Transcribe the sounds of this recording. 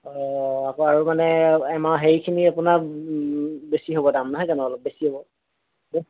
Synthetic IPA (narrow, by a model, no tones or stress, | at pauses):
ɔakoaɹumanɛɛmaɦeɹikʰiniapuna | besiɦobɔdamnaɦɔjkanɔɔlɔp̚besiɦobɔ | be